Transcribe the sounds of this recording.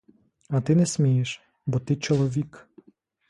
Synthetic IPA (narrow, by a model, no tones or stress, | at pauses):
ɐt̪ɪnɛsʲmʲijeʃ | bɔt̪ɪt͡ʃɔlˠɔʋʲik